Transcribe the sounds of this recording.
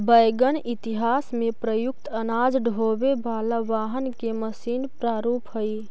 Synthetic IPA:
bəjɡənɪt̪ɪɦaːsmẽpɾəjʊk̚t̪ənaːd͡ʒɖʱoːbebʱaːlaʋaːɦənkeməsiːnpɾaːɾuːpɦoi

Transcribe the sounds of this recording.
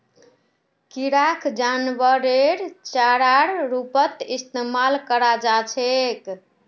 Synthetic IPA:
kiɾakʰd͡ʒanʋəɾeɾt͡ʃaɾaɾɾupət̪ist̪emalkəɾad͡ʒat͡ʃʰek

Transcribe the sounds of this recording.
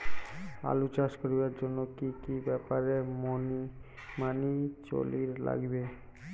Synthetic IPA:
a̰lut͡ɕaʃkoɾibaɾd͡ʑonːokikibɛpaɾemoni | manit͡ɕo̰liɾla̰ɡbe

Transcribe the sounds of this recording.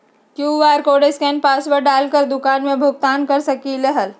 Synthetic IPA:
kjuːʋaɾkoɖeskɛnpasʋəɾɖalkəɾd̪ukanmẽbʱʊɡ̚t̪aːnkəɾsəkiləɦəl

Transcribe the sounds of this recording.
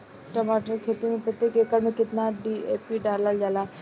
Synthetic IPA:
ʈəmaːʈəɾkʰeːt̪imẽpɪt̪ekekəɾmẽkɪt̪naɖiːeːpiːɖaːləld͡ʒaːlaː

